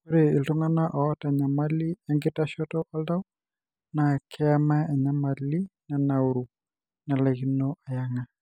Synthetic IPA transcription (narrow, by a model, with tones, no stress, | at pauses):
oɾe˨i˨ltɔ˦ŋa˦na˦ʔɔ˨˦ta˨ɲa˨ma˦li˦a˦ŋɡe˦ta˦ʃɔtɔ˦ʔɔ˦lda˦u | na˨kʰɛ˦ama˦a˨ɲa˨ma˨li˦na˨na˨uɾu˨ | na˨lɛɣinɔʔa˨ja˨ŋa˨